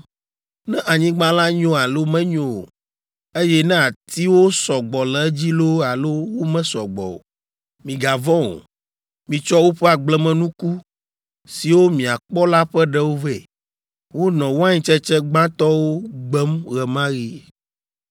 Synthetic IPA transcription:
nɛ̃˦ʔa˨ɲĩ˦ɡ͡bã˦la˦ɲɔ̃˦a˨lo˦mɛ̃˦ɲõ̰˨ | e˦jɛ˦nɛ̃˦a˨t̪i˦wo˦sɔ˨ɡ͡bɔ˨lɛ˨˦d͡ʑi˦lo˦a˨lo˦wo˦mɛ̃˦sɔ˨ɡ͡bɔ̰˨ | mĩ˨ɡa˨vɔ̃˦o̰˨ | mĩ˨t͡ʃɔ˦wo˦ɸɛ˦a˨ɡ͡blɛ˦mɛ̃˦nũ˦ku˦ | si˨wo˦mĩ˨a˨k͡pɔ˦la˦ɸɛ˦ɖɛ˦wo˦vɛ˦˨ | wo˦nɔ̃˨wo˦a˦ɲĩ˦t͡ʃɛ˦t͡ʃɛ˦ɡ͡bã˦t̪ɔ˦wo˦ɡ͡bɛ˦mɣɛ˨mã˦ɣi˦

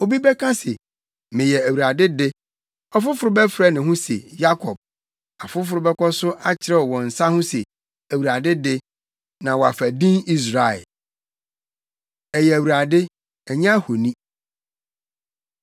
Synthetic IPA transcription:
o˨bi˦bɛ˦kʰã˦sɪ˨ | mɪ̃˨jɛ˨æ˨wu˨ɾa˨dɪ˦dɪ˦ | ɔ˦fʊ˦fʊ˨ɾʊ˦bɛ˦fɾɛ˦nɪ̃˨ɦʊ̃˦sḛ˨ja˦kʰɔ˨b̥̚ | a˨fʊ˦f̬ʊ˨ɾʊ˦bɛ˦kʷɔ˦sʊ˦ʔa˦t͡ɕʰɪ˨ɾɛ˦ɔ˨wɔ̃˨n̩˨sa˦hʊ̃˦se˨ | æ˨wu˨ɾa˨dɪ˦dɪ˦ | nã˨wɔ˨a̰˨fæ˨dĩ˦ni˦s̬ɾa˨ɛ̰˨ | ɛ˨jɛ˨æ˨wu˨ɾa˨dɪ˦ | ɛ˨ɲã˦ho˨nĩ˦

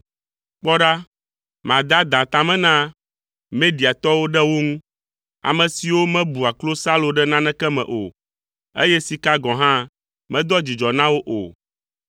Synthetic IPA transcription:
k͡pɔ˦ɖa˦ | mã˨d̪a˦d̪ã˨t̪ã˨mɛ̃˦nã˦ | mẽ˦ɖi˨a˨t̪ɔ˦wo˦ɖɛ˦wo˦ŋũ˦ | a̰˨mɛ̃˨si˨wo˦mɛ̃˦bu˨a˨klo˦sa˦lo˨ɖɛ˦nã˦nɛ̃˦kɛ˦mɛ̰̃˨ʔo̰˨ | ḛ˦jɛ˦si˨ka˦ɡɔ̃˨ɦã˦ | mɛ̃˦d̪ɔ˦d͡ʑi˨d͡ʒɔ˨nã˦wo˦ʔo̰˨

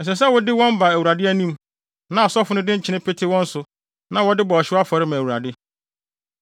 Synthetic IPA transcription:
ɛ˨s̬ɛ˨s̬ɛ˦wʊ˦dɪ˦wɔ̃˦m˦ba˨æ˨wu˨ɾa˨dɪ˦æ˦nĩ˦m | nã˨sɔ˦fʊ˦nʊ̃˦dɪ̃˦t͡ɕʰɪ˨nɪ̃˦pʰɪ˦tʰɪ˦wɔ̃˦n̩˦sʊ˨ | nã˨wɔ˦dɪ˦bɔ˨ɔ˨ɕɪ˦a˦fɔ˨ɾɪ˦mã˨wu˨ɾa̰˨dɪ˦

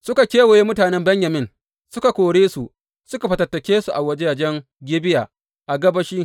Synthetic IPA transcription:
sʊ˦ka˨kʲeː˦wo˨je˦mʊ˦taː˨nɛ˦mbɐ˦ɲjɐ˨mɪ˦n | sʊ˦ka˨kʷoː˨ɽeː˦su˨ | sʊ˦ka˨ɸɐ˨tɐ˨tːɐ˨kʲeː˦su˨ʔa˨wɐ˦d͡ʒe˦ja˨d͡ʒɛ˦ŋ | ɡʲɪ˦bɪ˦jaː˨ | ʔa˨ɡɐ˦bɐ˦ʃiː˦

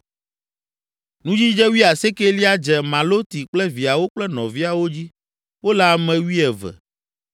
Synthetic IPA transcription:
nũ˦d͡ʑi˦d͡ʒɛ˦wi˦a˨se˦ke˦li˦a˦d͡ʒɛ˨mã˨lo˦t̪i˨k͡plɛ˦vi˨a˨wo˦k͡plɛ˦nɔ̰̃˨vi˦a˨wo˦d͡ʑi˦ | wo˦lɛ˦a˨mɛ̃˨wi˦ɛ˨vɛ̰˨

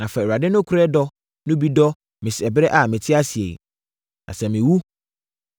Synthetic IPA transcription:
nã˨fɛ˨a˨dɪ˦nʊ̃˦kʰʊ˦ɾɛ˦dɔ˦ | nʊ̃˦bi˦dɔ˦ | mɪ̃˨sɛ˨bɾɛ˦ʔa˨mɪ̃˨tʰɪ˦a˦si˨ḛ˨ | nʔã̰˨sɛ̃˨mɪ̃˨wu˦

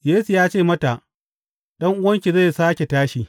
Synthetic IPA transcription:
jeː˦su˨jaː˦t͡ʃeː˦˨mɐ˦ta˨ʔ | ɗɐ˦ŋʔʊ˦wɐ˦ŋkʲi˨za˦˨saː˦kʲe˨taː˦ʃi˨

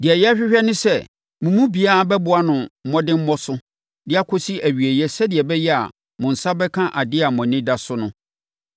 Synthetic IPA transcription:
dɪ˨ɛ˨jɛ˦a˦ɕᶣɪ˦ɕᶣɛ˦nʊ̃˦sɛ˦˨ | mʊ̃˨mũ˦bi˨a˦a˨bɛ˦bʊ˦a˦nʊ̃˨m̩˦mɔ̃˦dɪ̃˦m̩˦mɔ̃˦sʊ˦ | dɪ˦a˦kʰo˦si˦ʔæ˨ɥi˨e˨jɛ˦sɛ˦dɪ˨ɛ˨bɛ˦jɛ˦a̰˨ | mʊ̃˨n̩˨sa˦bɛ˦kʰã˦ʔa˨dɪ˦a˨mɔ̃˨nɪ̃˦da˦sʊ˦nʊ̃˦

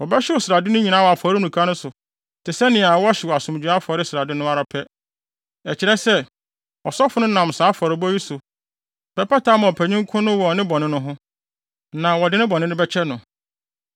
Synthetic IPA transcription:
wɔ˨bɛ˦ɕɪ˦wɔ˨sɪɾa˨dɪ˦nʊ̃˦ɲĩ˨nã˦wɔ˨a˨fɔ˨ɾɪ˦˨nũ˨kʰa˦nʊ̃˦sʊ˨ | tʰɪ˨sɛ˦nɪ̃˨a˨wɔ˦ɕɪ˨wɔ˨a˨sʊ̃˨m˨d͡ʑᶣu˨ɾa˦fɔ˨ɾɪ˦sɪ˨ɾa˨dɪ˦nʊ̃˦a˦ɾa˨pʰɛ˦ | ɛ˨t͡ɕʰɪ˨ɾɛ˦sɛ˦ | ɔ˨sɔ˦fʊ˨˦nʊ̃˦nã˨msaː˨˦fɔ˨ɾɪ˨bɔ˦ji˦sʊ˨ | pɛ˨pa˦tʰa˦mã˨ɔ˨pʰæ˨ɲĩ˦ŋ˦kʰʊ̃˦nʊ̃˦wɔ˨ɔ˨nɪ̃˦bɔ̃˨nɪ̃˦nʊ̃˦ɦʊ̃˦ | nã˨wɔ˨dɪ˦nɪ̃˦bɔ̃˨nɪ̃˦nɪ̃˦bɛ˦t͡ɕʰɛ˦nʊ̃˨

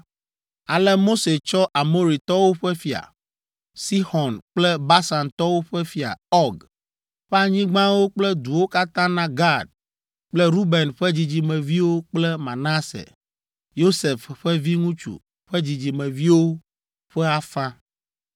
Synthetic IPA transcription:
a˨lɛ˦mo˦se˨t͡ʃɔ˦ʔa˨mo˦ɾi˨t̪ɔ˦wo˦ɸɛ˦fi˨a̰˨ | si˦xɔ˨nk͡plɛ˦ba˦sa˨nt̪ɔ˦wo˦ɸɛ˦fi˨a̰˨ɔ˦ɡ | ɸɛ˦a˨ɲĩ˦ɡ͡bã˦wo˦k͡plɛ˦d̪u˨wo˦ka˦t̪ã˦nã˦ɡa˦˨d̚ | k͡plɛ˦ɾu˦bɛ˨nɸɛ˦d͡ʑi˨d͡ʑi˨mɛ̃˨vi˦wo˦k͡plɛ˦mã˨na˦sḛ˨ | jo˦se˨fɸɛ˦vi˦ŋũ˦t͡ʃṵ˨ | ɸɛ˦d͡ʑi˨d͡ʑi˨mɛ̃˨vi˦wo˦ | ɸɛ˦a˨fã˦

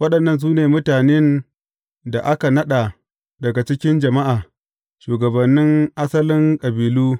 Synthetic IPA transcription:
wɐ˦ɗɐ˨nːɐ˦ns̬uː˦neː˨mʊ˦taː˨ne˦n | da˨ʔa˦ka˨nɐ˦ɗa˨ | dɐ˨ɡa˨t͡ʃɪ˦kʲɪ˦nd͡ʒɐ˨ma˦ʔaː˨ | ʃuː˨ɡɐ˨bɐ˨nːɪ˦ŋʔa˦sɐ˦lɪ˦ŋkʼɐ˨biː˨luː˦

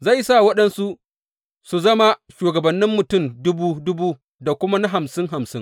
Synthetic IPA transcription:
za˦˨jsaː˦˨wɐ˦ɗɐ˦nsu˦ʔ | su˨zɐ˦ma˦ʃuː˨ɡɐ˨bɐ˨nːɪ˦mːʊ˨tʊ˦˨mdʊ˦buː˦dʊ˦buː˦ | da˨kʷʊ˦ma˦na˦ɦa˨msɪ˦ŋɦa˨msɪ˦ŋ

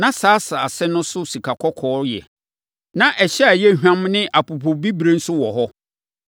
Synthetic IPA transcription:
nã˦saː˨˦sa˨a˨sɛ˦nʊ̃˦sʊ˦si˨kʰa˨kʰɔ˦kʰɔː˨˦ɾjɛ̰˨ | nã˨ʔɛ˨ɕɛ˦a˨jɛ˦˨ɦᶣã˦mnɪ̃˦ʔa˨pu˨pʰo˨bi˦bɾe˦n̩˦sʊ˦wɔ˨ɦɔ˦

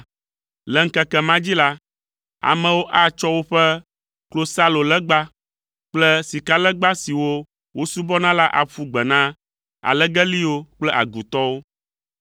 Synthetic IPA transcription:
lɛ˨ŋ̩˦kɛ˦kɛ˨mã˦d͡ʑi˦la˦ | a̰˨mɛ̃˨wo˦ʔa˦t͡ʃɔ˦wo˦ɸɛ˦ | klo˦sa˦lo˨lɛ˦ɡ͡ba˦ | k͡plɛ˦si˨ka˦lɛ˦ɡ͡ba˦si˨wo˦ | wo˦su˦bɔ˦nã˦la˦ʔa̰˨ɸu˦ɡ͡bɛ˨nã˦ | a̰˨lɛ˦ɡɛ˦li˦wo˦k͡plɛ˦ʔa̰˨ɡu˨t̪ɔ˦wo˦

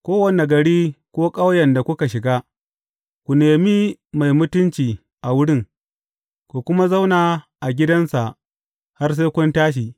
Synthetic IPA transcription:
kʷoː˦wɐ˨ne˨ɡɐ˨ɽiː˦kʷoː˦kʼa˦wjɛ˨nda˨kʷʊ˦ka˨ʃɪ˨ɡaː˦ | kʷu˨neː˨mi˦ma˨jmʊ˦tʊ˦nt͡ʃiː˨ | ʔa˨wʊ˦ɽɪ˦˨ŋ | kʷu˨kʷʊ˦ma˦za˦wnaː˨ | ʔa˨ɡʲɪ˦dɐ˦nsa˨ʔ | ha˦rs̬e˦kʷʊ˦ntaː˦ʃ̬i˨

